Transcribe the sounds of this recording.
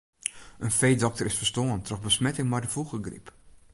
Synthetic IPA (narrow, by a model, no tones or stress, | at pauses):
ənfejdɔk̚təɾɪsfərstoəntrɔxbəsmɛtɪŋmɛjdəfuɣəɡrḭp